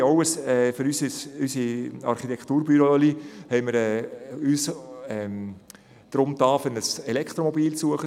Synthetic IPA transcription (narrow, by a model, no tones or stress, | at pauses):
ɑwəsɛːføɾysəsysiɑ̰ɾχit̪ɛkʰχt̪uːɾb̥yɾolihɛɪməɾɛːyːsɛm | d̪̥ɾʊmt̪ɑːfənəsɛlɛkχt̪ɾomɔbiːlsuəχə